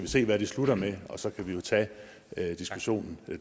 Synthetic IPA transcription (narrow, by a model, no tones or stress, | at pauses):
æʋise̝̰ːʋæɾ̥isluɾɐmeɒ̽sɒ̽kʰæʋijo̝t͡sʰɛ̰ | d̥isɡ̥uɕo̝̰ːnn̩